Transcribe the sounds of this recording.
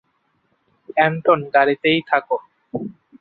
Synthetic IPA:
ɛnʈonɡaɾit̪ejt̪ʰako

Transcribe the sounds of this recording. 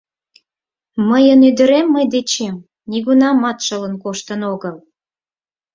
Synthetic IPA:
məjənyd̪ə̆ɾemːəjd̪et͡ɕem | niɣunɑmɑt̪ʃələ̆nkoʃt̪ənoɣəl

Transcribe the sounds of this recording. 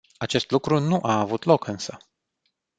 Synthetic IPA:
at͡ʃe̞st̪lukɾunuʔaːvut̪lo̞kɨnsə

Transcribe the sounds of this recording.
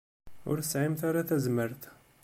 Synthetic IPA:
ʊ̰ɾθəsʕimt̪aɾaθæzməɾt̪

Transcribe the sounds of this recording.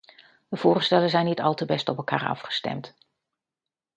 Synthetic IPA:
dəv̥ʊːrstɛlənzɛjnitɑlˠtəbɛstɔpɛlˠka̰ːɹɑ̰fχə̥stɛ̰mt

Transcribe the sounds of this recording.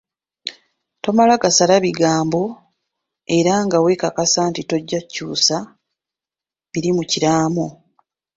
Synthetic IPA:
to̞malaɡasalaβiɡaːmbo̞ | e̞ɾaŋɡawekakasaːntito̞ɟːacuːsa | βiɾimuciɾaːmo

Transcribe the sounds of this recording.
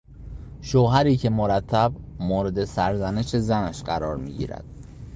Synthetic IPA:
ʃoːɦæɾiːcʰe̞moɾæt̪ʰːæbmoːɾe̞d̪e̞sæɾzæneʃe̞zænæʃɢæɾɒːɾmḭːɟḭːɾæ̰d̪̥

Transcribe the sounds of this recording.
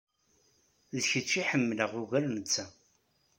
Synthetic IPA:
ðçət͡ʃːiħəmːləʁʊɣæɾnət͡sːæ

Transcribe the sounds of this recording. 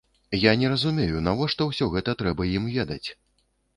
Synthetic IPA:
janʲɛɾɐzumʲejunavɔʂt̪ɔwsʲɔɣɛt̪ɐt̪ɾɛbɐjimvʲed̪ɐt͡sʲ

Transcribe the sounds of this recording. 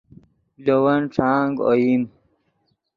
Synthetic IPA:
lowɐnʈ͡ʂʰaːŋɡo̰jim

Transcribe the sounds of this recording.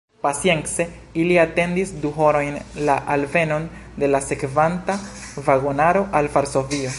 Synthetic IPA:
pasije̞nse̞ | iliate̞ndisduɦo̞ɾo̞jnlaʔalve̞no̞n | de̞lase̞kvantavaɡo̞naɾo̞ʔalvaɾso̞vio

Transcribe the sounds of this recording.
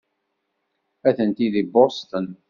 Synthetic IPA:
æθənt̪iðibost̪ən

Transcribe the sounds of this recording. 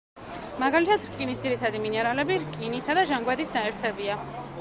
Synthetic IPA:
maɡalit̪ʰat̪ɾkʼinisd̪ziɾit̪ʰad̪iminɛɾalɛbiɾkʼinisad̪aʒaŋɡwad̪isnaɛɾt̪ʰɛbia

